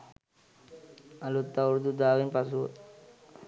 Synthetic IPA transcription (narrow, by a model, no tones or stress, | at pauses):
ɐlut̪ːɐɾd̪ud̪aːʋinpɐsu